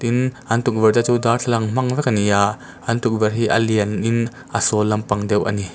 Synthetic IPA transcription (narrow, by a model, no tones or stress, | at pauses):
t̪inʔɐnt̪uk̚vɛɾt͡sat͡sud̪aːrtʰalɐŋm̥ɐŋvɛkɐniaʔ | ʔɐnt̪uk̚vɛrɦiʔɐliənʔin | ʔɐsɔlːɐmpɐŋd̪ɛwʔɐ̰ni